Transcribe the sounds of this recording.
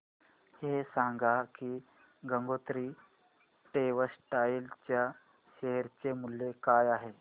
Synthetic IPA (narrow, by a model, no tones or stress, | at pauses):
hesãŋɡʱakiː | ɡəŋɡot̪ɾiː | ʈeʋəsʈailt͡ɕja | ɕeɦəɾt͡semulːekajaɦe